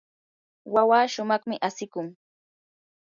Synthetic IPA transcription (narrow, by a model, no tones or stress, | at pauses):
wawaːʃʊmɑχmɪʔasɪkʊŋ